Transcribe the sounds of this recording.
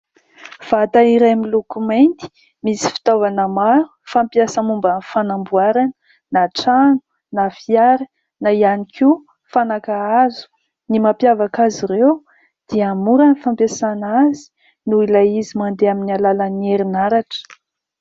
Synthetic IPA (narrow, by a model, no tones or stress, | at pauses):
v̥at̪aiɾaamilukumajnt̪i̥ | misi̥fi̥t̪ovanəmaɾu̥fampjasamumbanfanambuaɾanə | naʈ͡ʂanu̥ | nafiaɾi | naianikʰu | fanakaazu̥ | nimapjavakaziɾew | d̪̥iamuɾanifampjasanazi̥ | nuilaizimand̪eaminialalanieɾinaɾaʈ͡ʂə̥